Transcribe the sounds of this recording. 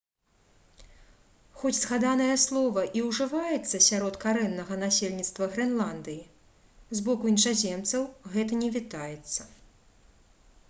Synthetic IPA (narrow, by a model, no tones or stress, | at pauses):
xɔt͡sʲzɣad̪anɐjɐslˠɔvɐʔiwʐɨvajɛt̪sːɐsʲaɾɔt̪kaɾɛnːɐɣɐnasʲelʲnʲit̪st̪vɐɣɾɛnlˠand̪ɨji | zbɔkuinʂazʲɛmt̪sɐwɣɛt̪ɐnʲɛvʲit̪ajɛt̪sːɐ̥